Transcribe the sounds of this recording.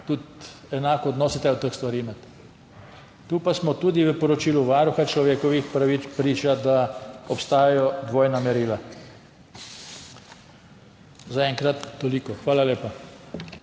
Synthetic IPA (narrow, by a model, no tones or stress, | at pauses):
t̪ut̪ | ɛnaːkɔːd̪nɔːsit̪ɛɔt̪əxst̪ʋaɾiːmɛt̪ | t̪uːpasmɔt̪uːd̪iʋəpɔɾɔt͡ʃiːluʋaːɾuxat͡ʃlɔʋeːkɔʋixpɾaʋiːt͡spɾiːt͡ʃad̪aɔpst̪aːjajɔd̪ʋoːjnamɛɾiːla | zaɛŋkɾat̪ːɔliːkɔxʋaːlaleːpa